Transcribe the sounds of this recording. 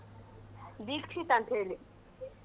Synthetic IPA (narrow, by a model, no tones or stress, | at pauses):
d̪ikt͡ɕʰit̪ãnt̪ʰeli